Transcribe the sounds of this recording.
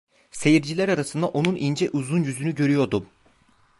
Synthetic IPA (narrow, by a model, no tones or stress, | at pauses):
se̞jiɾd͡ʒilʲæɾaɾasɯnd̪aʔo̞nunʔind͡ʒɛʔuzunjyzynyɟø̞ɾyjo̞ɾd̪um